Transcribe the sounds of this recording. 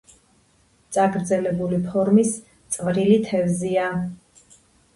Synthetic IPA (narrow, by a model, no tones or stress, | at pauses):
t̪sʼaɡɾd̪zɛlɛbulipʰɔɾmis | t̪sʼvɾilit̪ʰɛvzia